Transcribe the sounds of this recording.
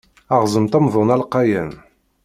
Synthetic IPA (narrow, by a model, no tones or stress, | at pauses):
ɑʁzˤəmt̪æmðˤʊnælqːɑjæm